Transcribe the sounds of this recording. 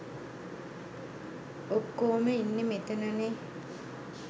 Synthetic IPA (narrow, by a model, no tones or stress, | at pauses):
okːoːməinːemet̪ənane